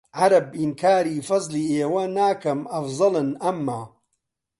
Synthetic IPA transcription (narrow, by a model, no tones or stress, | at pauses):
ʕaɾɐbʔɪnkʰaːɾiːfɐzˤliːʔeːwɐnaːkɐmʔɐfzˤɨlɨnɐmːaː